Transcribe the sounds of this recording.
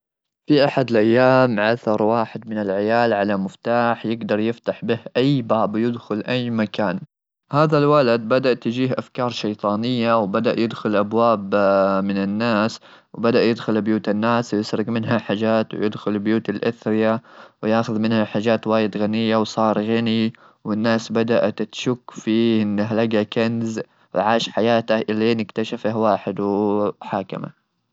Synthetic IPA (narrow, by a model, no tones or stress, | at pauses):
fiʔaħad̪ɪlʔajːaːmʕaθɑɾˤwaːħɪd̪̚mɪnɪlʕɪjaːlʕalamʊft̪aːħjɪɡd̪ɑɾˤjɪft̪aħbɪhʔajːbaːbjɪd̪xʊlʔajːmakaːn | haːðalwalad̪̚bad̪aʔt̪ːɪd͡ʒiːhʔafkɑːɾˤʃɑjt̪ˤɑːnɪjːawbad̪aʔjɪd̪xʊlʔabwaːbmɪnɪnːaːs | wbad̪aʔjɪd̪xʊlbjuːt̪anːaːswjɪsɾɪɡmɪnɦaħaːd͡ʒaːt̪wjɪd̪xʊlbjuːt̪alʔaθɾɪjawjaːxʊðmɪnhaħaːʒaːt̪waːjɪd̪ɣanɪjːawsˤɑːɾˤɣani | wɪnːaːsbad̪aʔt̪t̪ʃʊkːfiʔɪnːaɦlaɡakanz | wʕaːʃħajaːt̪ahʔɪleːnɪkt̪aʃafahwaːħɪd̪wħaːkɪ̰ma̰